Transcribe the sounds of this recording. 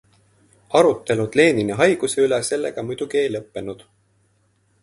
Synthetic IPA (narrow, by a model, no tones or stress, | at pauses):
ɑɾut̪ːe̞lud̪̥le̞ːnineɦɑjɡ̥use̞ylese̞lːeɡ̥ɑmujd̪̥uɡ̥ie̞jlɤpːe̞nud̪̥